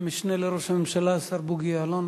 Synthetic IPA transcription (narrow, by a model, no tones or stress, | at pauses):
miʃneleɾoʃhamemʃalasaɾbuɡialon